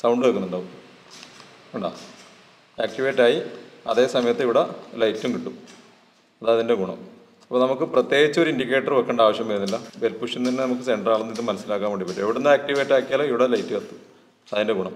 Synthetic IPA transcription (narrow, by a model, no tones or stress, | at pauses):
sɐwɳɖɨɐkːuneɳɖaːʋum | uɳɖa̰ː | aːk̚ʈiʋeːʈːaːjiɐðe̞ːsɐmɐjɐt̪ːeiʋiɽelɐjtːumkiʈːu | ɐðɐðinde̞ɡuɳɐ̰m | ɐpːoːnɐmukːɨprɐt̪ːje̞ːɡit͡ɕːɐo̞ɾindik̬ːe̞ːʈːɐrʋɐkːeɳɖɐaːʋɐɕjɐmpɐɾunːilːɐbeɾpːuʂinːinːenɐmukːɨse̞ɳɖraːɭunːiðɨmɐnɐsːilaːkːaːmʋeɳɖipːɐʈːueʋiɽenːɨaːk̚ʈiʋeːʈːaːkːijaːloiʋiɽelɐjtːuʋɐt̪ːu̥ | ɐðinde̞ɡuɳɐm